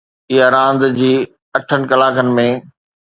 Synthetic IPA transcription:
ɪɦaɾãːnd̪d͡ʑiː | ɐʈʰənɪ̆kɐlaːkənɪ̆mẽ

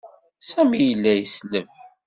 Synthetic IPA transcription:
sæmijəlːæjəsləv

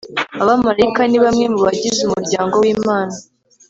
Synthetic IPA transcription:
aβamaɾaikaniβamŋe̞muβaɟizumuɾɟaːŋɡo̞wiːmaːna

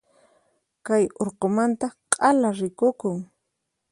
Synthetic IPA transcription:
kajoɾqomant̪aqʼalaɾɪkʊkʊŋ

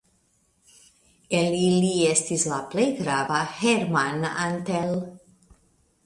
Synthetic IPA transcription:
eliliest̪islaplejɡɾavaheɾmanant̪el

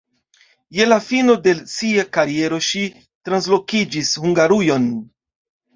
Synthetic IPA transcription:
je̞lafino̞de̞siakaɾie̞ɾo̞ʃi | tɾans̬lo̞kid͡ʒishuŋɡaɾujo̞n

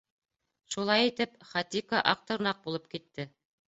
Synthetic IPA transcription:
ʃulˠɑjit̪ɘpχɑt̪ikɑʔɑq̚t̪ɤ̆ɾnɑq̚bulˠɤp̚kit̪ːɘ

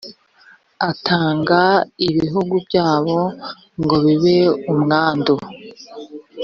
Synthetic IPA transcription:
atʰaːŋɡaiβiɦuɡubɟaːβo̞ | ŋɡo̞βiβeumŋaːndo

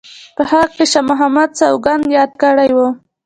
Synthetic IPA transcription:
pəhaqkeʃamʊɦamad̪sawɡand̪jɑd̪̚kəɽajwu

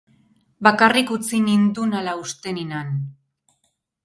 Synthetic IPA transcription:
bakarikut͡sinind̪unalaust̪e̞ninan

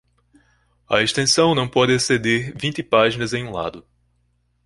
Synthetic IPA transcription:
ɐeʃt̪ẽsɐ̃w̃nɐ̃w̃pɔd̪ɪsed̪eɾvĩnt̪ɪpaʒinɐzẽj̃ũla̰d̪ʊ

